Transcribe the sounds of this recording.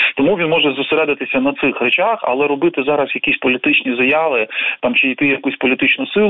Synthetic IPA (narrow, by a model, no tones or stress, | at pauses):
t̪ɔmuʋʲinmɔʒɛzʊseɾɛd̪ɪt̪ɪsʲɐnɐt̪sɪxrɛt͡ʃaxɐ̰lˠɛɾɔbɪt̪ɪzɑɾɐsjɐkʲisʲpɔlʲit̪ɪt͡ʃnʲizɐjaʋɪt̪ɑmt͡ʃɪjt̪ɪjɐkusʲpɔlʲit̪ɪt͡ʃnʊsɪlˠ